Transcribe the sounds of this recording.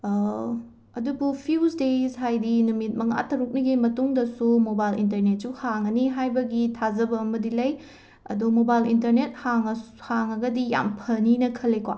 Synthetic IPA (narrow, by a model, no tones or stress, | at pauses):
ɐdubupʰiusdezɦajdinumit̚mɐŋa̰tɐɾuk̚nɐɡimɐtuŋdɐsumobajlintɐɾnet̚suhaŋɐniɦajbɐɡitʰazɐbɐːmɐdilɐj | ɐ̰dumobajlintɐɾnet̚haŋ | haŋɐɡɐdija̰mpʰɐninɐkʰɐlːekowa̰